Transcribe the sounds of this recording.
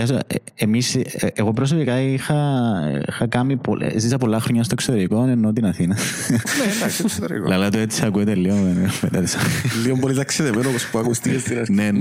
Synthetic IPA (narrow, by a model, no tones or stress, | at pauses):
ɐs̬o | emiseɣo̞pɾos̬o̞pikɐixɐ̰ixɐkɐmːipo̰zisɐpo̞lːɐxɾoɲɐst̪oksot̪eɾikonenːot̪inɐθinɐ | ned̪ɐsseɾḭklɐlɐt̪uet̪isiɐkuet̪eliomeimmet̪ɐt̪i̥sɐlːiombolit̪ɐkseðevenopospuɐkust̪ikest̪inɐɾnne